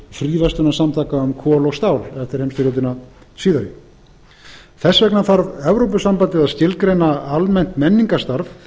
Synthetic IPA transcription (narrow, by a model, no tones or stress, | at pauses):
fɾiːvɛst̪ʏnasamt̪ʰaːkaʏmkʰɔːlɔɣst̪aːwlɛft̪ɪɾ̥hejmst̪ɪlɔwt̪ɪna | siːðavɪ | θɛsːvɛknaθaɾvɛvɾowpʏsampant̪ɪðaðscɪlkɾejnaalmɛn̥t̪mɛnːiŋkast̪aɾv